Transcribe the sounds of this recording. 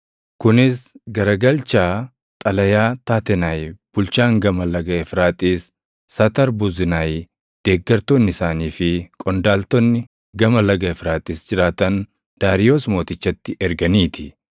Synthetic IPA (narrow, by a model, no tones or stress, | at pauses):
kʊnɪsɡɐɾɐɡɐlt͡ʃaː | t̪ʼɐlɐjaːt̪aːt̪ɛnajb̥ʊlt͡ʃaːŋɡɐmɐlɐɡɐɛfɾaːt̪ʼiːsː | ɐt̪ɐɾbʊzɪnaj | d̪̥eːɡːɐɾt̪onːɪsaːniːfɪkʼɔnd̪aːlt̪ɔnːɪ | ɡɐmɐlɐɡɐɛfɾaːt̪ʼiːsd͡ʒɪɾaːt̪ɐn | d̪̥aːɾɪjoːsmo̞ːt̪ɪt͡ʃːɐt̪ːɪʔɛɾɡɐniːt̪ʰɪ